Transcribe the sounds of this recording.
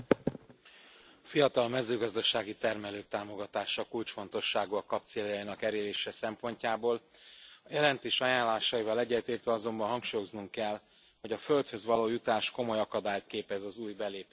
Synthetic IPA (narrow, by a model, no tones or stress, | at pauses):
ɒfijɒt̪ɒlmɛzøːɡɒzd̪ɒʃaːɡit̪ɛrmɛløːk̚t̪aːmo̞ɡɒt̪aːʃɒkult͡ʃfo̞n̪t̪o̞ʃːaːɡuɒkɒp̚t̪seːljɒinɒkɛɾeːleːʃɛsɛmpo̞ɲcaːboːlɒjɛlɛnt̪eːʃɒjaːnlːaːʃɒjivɒlɛɟːɛt̪eːrt̪ɛɒzo̞mbɒnɦɒŋkʃuːjo̞znuŋkɛl | ho̞ɟɒfø̞lt̪hø̞zʋɒloːjut̪aːʃko̞mo̞jɒkɒd̪aːjt̪keːpɛzɒzuːjbɛleːp